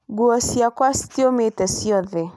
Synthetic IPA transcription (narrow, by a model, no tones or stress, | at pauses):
ɡuɔsiakwast̪iomet̪ɛsiɔðɛ